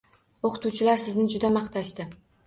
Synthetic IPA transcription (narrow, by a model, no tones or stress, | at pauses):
oqʰɨt̪uwt͡ʃʰɪlaɾsɪznɪd͡ʒʊd̪amɑχt̪ʰaʃt̪ɪ